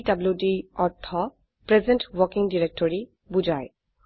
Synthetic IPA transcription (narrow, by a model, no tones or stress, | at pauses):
dabljudiɔtʰːɔ | pɹɛzɛ̃ntwɔkiŋdiɹek̚tɔɹi | bud͡ʒaj